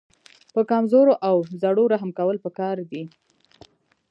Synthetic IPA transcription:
pəkamzoɾoʔawzaɽoɾaɦamkawəlpəkɑɾd̪i

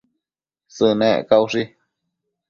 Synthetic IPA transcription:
sɨnẽʔkauʂi

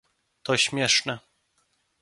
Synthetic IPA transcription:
t̪ɔɕmʲjɛʂnɛ

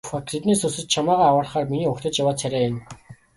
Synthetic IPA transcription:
fakt̪ʰet̪niːsɵsɘ̆t͡ɕt͡ɕʰamaːʁaːawə̆ːrχaːrminiːʊkʲt̪ə̆t͡ɕjawaːt͡sʰæɾʲæːjʊ̆n

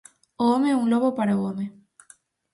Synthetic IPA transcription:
omeuŋloβopaɾaome

